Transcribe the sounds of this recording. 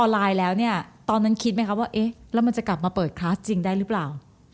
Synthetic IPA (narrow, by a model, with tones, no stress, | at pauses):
ʔɔː˧nlaː˧jlɛː˦˥wni˥˩ɐt̪ɔː˧nːa˦˥nkʰi˦˥t̪̚ma˦˥kʰa˦˥waː˥˩ʔe˦˥lɛː˦˥wma˧nt͡ɕa˨˩kla˨˩p̚maː˧pɤː˨˩t̪̚kʰɾaː˦˥t͡ɕi˧ŋdaː˥˩jɾɯ˦˥plaː˨˩w